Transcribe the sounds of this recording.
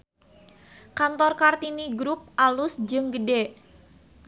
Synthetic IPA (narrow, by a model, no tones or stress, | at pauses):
kant̪ɔrkart̪iniɡɾup̚ʔalusd͡ʒɨŋɡəde